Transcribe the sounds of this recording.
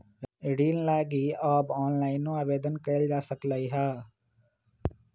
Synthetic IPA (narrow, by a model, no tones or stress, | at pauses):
ɖiːnlaːɡiɔːbɔːnlaːɪnːõaːʋeːd̪ənkəld͡ʒaːsəkləiɦɛː